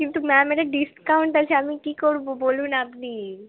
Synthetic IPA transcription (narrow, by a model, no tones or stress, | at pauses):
kint̪umɛ̃meɾeɖiskkaũɳʈd̪ɛlt͡ʃʰeamikikoɾbobolunapni